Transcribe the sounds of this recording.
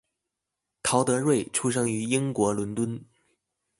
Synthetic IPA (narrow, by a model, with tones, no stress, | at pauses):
t̪ʰɑ˧˥ʊt̪ɤ˧˥ɻwe˥˩ɪʈ͡ʂʰu˥ʂ̬ɤ˥ŋy˧˥i˥ŋkwɔ˧˥lʊ˧˥nt̪wə˥n